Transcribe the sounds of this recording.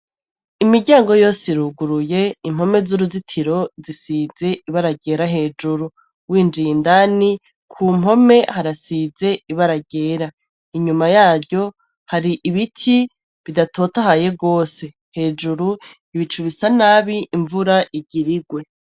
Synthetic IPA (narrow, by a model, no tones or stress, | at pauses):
imiɟaːŋɡo̞jo̞ːsiɾuɡuɾuje̞im̥ho̞me̞zuɾuzitʰiɾo̞zisize̞ʔiβaɾaɡe̞ːɾaɦe̞ːd͡ʒuɾu | wiːnd͡ʒiːndani | kʰuːm̥o̞me̞haɾasize̞iβaɾaɡe̞ːɾa | iɲumajaːbjo̞ | haɾiʔiβitʰi | βidatʰo̞tahaje̞ɡo̞ːse̞ | he̞ːd͡ʒuɾu | iβit͡ʃuβisanaːβiʔiɱvuɾaʔiɟiɾiɡwe̞